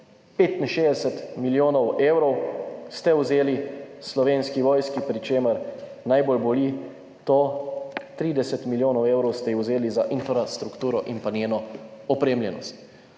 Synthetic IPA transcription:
peːt̪inʃeːzd̪ɛsɛt̪miljoːnɔweːwɾɔwst̪ɛwzeːlislɔʋeːnskiʋɔːjskipɾit͡ʃeːməɾ | najbolbɔli | t̪ɔ | t̪ɾiːd̪ɛsɛt̪miljoːnɔweːwɾɔwst̪ɛjiwzeːlizaʔinfɾast̪ɾukt̪uːɾɔʔinpanjeːnɔɔpɾeːmljɛnɔ̰st̪

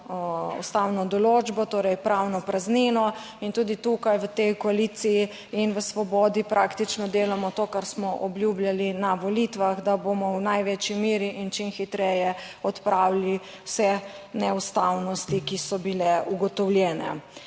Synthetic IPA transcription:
ṵst̪awnɔd̪ɔlod͡ʒbɔt̪oːɾɛjpɾawnɔpɾazninɔ | int̪uːd̪it̪ukajʋət̪ɛjkɔaliːt̪siji | inʋəsʋɔbɔːd̪ipɾʔaːkt̪it͡ʃnɔd̪eːlamɔt̪oːkaɾsmɔʔɔbljubljalinaʋɔlit̪ʋaxd̪abomɔwnajʋet͡ʃimiːɾiʔint͡ʃinxit̪ɾɛjɛɔt̪pɾʔawli | wsɛnɛust̪awnɔst̪ikisɔbilɛuɡɔt̪ɔwljɛːnɛ̰

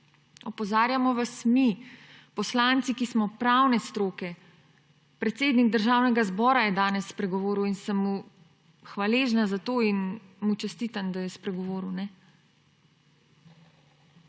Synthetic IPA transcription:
ɔpɔzaːɾjamɔʋasmipɔslant̪sikismɔpɾawnɛst̪ɾoːkɛ | pɾɛt̪seːd̪niɡ̚d̪əɾʒaːwnɛɡazbɔːɾajɛd̪aːnɛsːpɾɛɡɔʋoːɾuwinsəmːu | xʋaleːʒnazat̪oːinmut͡ʃɛst̪iːt̪and̪ajɛspɾɛɡɔʋoːɾuwnɛ

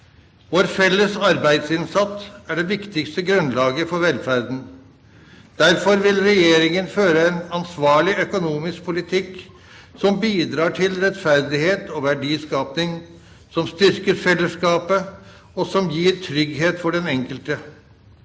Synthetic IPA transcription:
ʋoːɾfɛlːəsɑɾbæɪd̪sɪnsɑt̪ːæɖɛʋɪkt̪ɪkst̪əɡɾʉnlɑːɡəfɔɾʋɛlfæɾd̪n̩ | d̪̥æɾfɔɾʋɪlɾɛjeːɾɪŋənføːɾəɛnɑnsʋɑːɭɪœkʊnuːmɪsk̚pʰʊlɪt̪ʰɪk | sɔmbiːd̪ɾɑːʈʰɪlɾɛt̪fæɾd̪ɪheːt̪ʰɔʋæɖiːskɑːpnɪŋ | sɔmst̪ʏɾkəɾfɛlːəskɑːpə | ɔsɔmjiːɾt̪ʰɾʏɡɦeːt̪fɔɖɛnɛŋkəlt̪ə

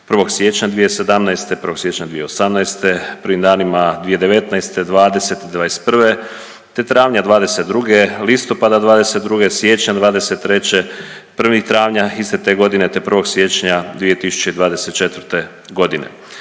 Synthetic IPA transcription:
pr̩ʋo̞ɡsjet͡ɕɲad̪ʋije̞sed̪amnajst̪epr̩ʋo̞ɡsje̞t͡ɕɲad̪ʋijeosamnajst̪e̞pr̩ʋimd̪aːnimad̪ʋije̞d̪eʋe̞t̪najst̪e̞d̪ʋaːd̪e̞se̞t̪id̪ʋaːest̪̚pr̩ʋe̞ | t̪e̞t̪ɾaːʋɲad̪ʋaːd̪e̞se̞t̪̚d̪ɾuɡe̞list̪o̞pad̪ad̪ʋaːd̪ese̞t̪d̪ɾuɡesʋjet͡ɕɲad̪ʋaːd̪e̞se̞t̪ːɾe̞t͡ɕepr̩ʋixt̪ɾaːʋɲaist̪et̪eɡo̞d̪inet̪epr̩ʋo̞ɡsje̞t͡ɕɲad̪ʋije̞t̪isu̥t͡ɕe̞id̪ʋaːd̪e̞set̪̚t͡ʃe̞t̪ʋɾt̪e̞ | ɡo̞d̪inḛ

